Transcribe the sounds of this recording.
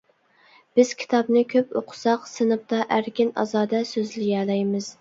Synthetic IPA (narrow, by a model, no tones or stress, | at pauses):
b̥ɪz̥kʲʰi̥t̪ʰɑbnɨkʲʰøpo̰qʰʊ̥sɑqsɨnɨp̚t̪ɑʔæɾkʲinɑ̰zɑːd̪ɛsøzlɪɡɛlɛjmɪz̥